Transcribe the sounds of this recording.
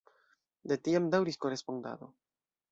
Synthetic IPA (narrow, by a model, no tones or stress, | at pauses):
d̪e̞tiamdawɾisko̞ɾe̞sponda̰do̞̰